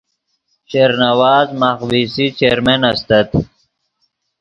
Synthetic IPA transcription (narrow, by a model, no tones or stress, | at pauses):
t͡ɕeɾnɐwaːzmaxwisit͡ɕeːɾmenɐst̪ɐt̪